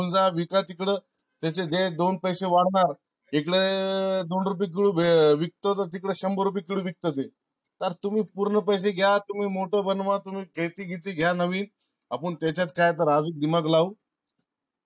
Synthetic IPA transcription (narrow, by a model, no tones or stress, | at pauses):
und͡zaʋikat̪ikɽə | t̪at͡ɕed͡zed̪onpəjseʋaɽ̤ɳaɾ | ekɽed̪onɾup̬iːk̬iɭuːbʱeʋik̚t̪ət̪əɾt̪ikɽəːɕəmbəɾup̬iːkiɽuːʋik̚t̪ət̪̬e | t̪əɾt̪um̤iːpuɾɳəpəjs̬eɡʱjat̪um̤iːmoʈəbənʋãt̪um̤iːkʰet̪iːɡʱit̪iːɡʱjanəʋiːn | apəɳt̪jat͡ɕjat̪kajt̪əɾad͡zuːk̚d̪imaɡlaʋ